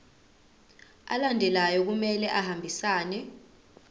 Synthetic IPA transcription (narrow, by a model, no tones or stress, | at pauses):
a̰landʱɛlajɔk̬umɛlɛʔahambʱisaːnɛ